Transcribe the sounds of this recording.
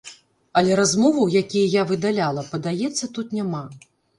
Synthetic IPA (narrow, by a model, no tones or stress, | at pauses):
ɐlʲɛɾazmɔvɐwjakʲijɐjavɨd̪alʲalˠɐpɐd̪ajɛt̪sːɐt̪ut̪nʲama